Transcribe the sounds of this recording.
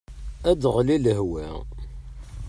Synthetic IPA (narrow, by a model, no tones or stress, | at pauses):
æd̪ʁliləɦwæ